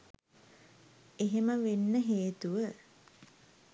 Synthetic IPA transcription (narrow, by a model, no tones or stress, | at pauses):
eɦeməʋenːəɦeːt̪uʋə